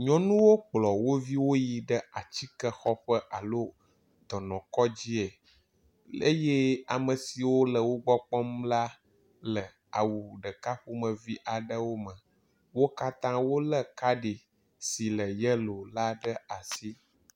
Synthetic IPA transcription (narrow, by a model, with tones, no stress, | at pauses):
ɲɔ̃˨˦nũ˦wo˦k͡plɔ˨wo˦vi˦wo˦ji˨ɖə˦a˨t͡ɕi˦kə˦xɔ˦ɸə˦ʔa˨lo˦ | d̪ɔ˨nɔ̃˨kɔ˦d͡ʑi˦ɛ˨ | ḛ˦je˦a˨mə̃˨si˨wo˦lə˨wo˦ɡ͡bɔ˦k͡pɔ˦mla˦ | lə˨ | a˨wu˨ɖə˨ka˦ɸu˦mə̃˨vi˦ʔa˨ɖə˦wo˦mə̃˨ | wo˦ka˦t̪ã˦wo˦lə˦ka˦ɖe˨ | si˨lə˨jə˦lo˨la˦ɖə˦a˨si˦